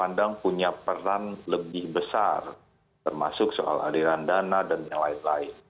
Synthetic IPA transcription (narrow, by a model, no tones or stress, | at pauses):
pandaŋpuɲapəɾanləbɪhbəsar | t̪ərma̰sʊkso̰ʔa̰la̰liɾandanadanjaŋlaɪnlaɪn